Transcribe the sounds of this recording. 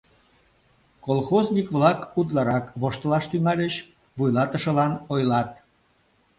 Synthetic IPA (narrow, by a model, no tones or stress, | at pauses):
kolˠxoznikβlɑkut̪̬lɑɾɑkβoʃt̪əlɑʃt̪yŋɑlʲət͡ɕ | βujlɑt̪əʃə̆lɑnojlɑt̪